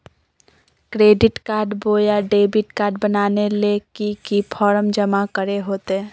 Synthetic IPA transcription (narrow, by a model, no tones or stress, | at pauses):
kɾeːɖɪʈkaːɾɖboːjaɖeːbɪʈkaːɾɖbənaːnelekikipʰɔːɾəmd͡ʒəmakəɾeɦoːt̪e